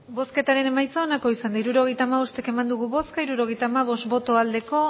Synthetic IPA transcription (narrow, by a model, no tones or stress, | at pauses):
bo̞ske̞t̪aɾe̞ne̞majt͡saonako̞isand̪aiɾuɾo̞ɣe̞jt̪aːmaβo̞st̪e̞ke̞mand̪uɣuβo̞skaiɾuɾo̞ɣe̞jt̪aːmaβo̞st̪bo̞t̪o̞ald̪e̞ko̞